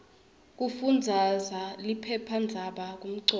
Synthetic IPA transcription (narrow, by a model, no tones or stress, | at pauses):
k̬ufund͡zʱazalipʰɛpʰand͡zʱaɓak̬um̩ǀɔ